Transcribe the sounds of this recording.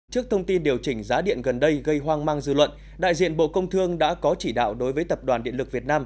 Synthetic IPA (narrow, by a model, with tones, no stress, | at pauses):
t͡ɕɨ˦˥ək̚t̪ʰə˧wŋ͡mt̪i˧nɗi˨˩əwt͡ɕï˧˩ŋ̟zaː˨˦ɗḭ˧˨ənɣə˨˩nɗə˧jɣə˧jɦwaː˧ŋmaː˧ŋzɨ̰˧lwə̰˧˨n | ɗa̰ː˧˨jzḭ˧˨ənɓo̰˧˨kə˧wŋ͡mt̪ʰɨ˧əŋɗa̰ː˧˥kɔ˨˦t͡ɕi˧˩ɗa̰ː˧˨wɗo˨˦jvəː˨˦jt̪ə˨˩p̚ɗwaː˨˩nɗḭ˧˨ənlɨ˨˩k̚vi˨˩ət̚naː˧m